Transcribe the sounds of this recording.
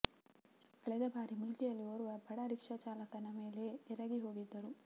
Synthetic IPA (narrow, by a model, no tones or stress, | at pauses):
ɐɭɐjd̪ɐbʱaːɾimʊlkɛjɐlːioːɾuʋɐbʱɐɽɐɾikʂɐt͡ʃaːlɐkːɐnɐmeːleɛɾɐɡiɦoːɡid̪ːɐɾu